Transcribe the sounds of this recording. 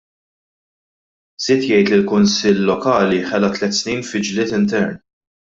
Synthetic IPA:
z̥ɪːt̪jɛjt̪lɪlkʊnsɪlːɔkɐːliħɛlɐt̪lɛt̪ːsniːnfɪd͡ʒlɪːt̪ɪnt̪ɛɾn

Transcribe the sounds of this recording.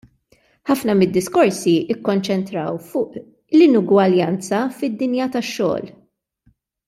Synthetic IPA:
ħɐfnɐmɪd̪ːɪskɔɾsiɪkːɔnt͡ʃɛnt̪ɾɐwfʊːʔ | lɪnʊɡwɐljɐnt͡sɐfɪd̪ːɪnjɐt̪ɐʃːɔ̰ːl

